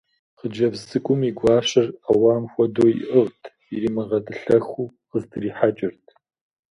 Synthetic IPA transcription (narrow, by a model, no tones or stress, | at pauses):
χəd͡ʒɐvzɨkʷʼʊmiːɡʷɑːɕɐrawaːmxʷɔdoːjḭʔəʁtʰ | iɾiːmɨʁɐdʰɨɬɐxuː | qəztʰɨriːħat͡ʃʼɪrtʰ